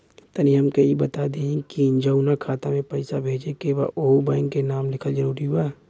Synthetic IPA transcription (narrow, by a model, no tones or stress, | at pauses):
t̪ɐnijɐmkɐibɐt̪ad̪ẽkind͡ʒəʊnakʰaːt̪amẽpɐɪsabʱeːd͡ʒekeʋaʔoːbãːŋkːenaːmlɪkʰəld͡ʒɐɾuːɾiɦʊaː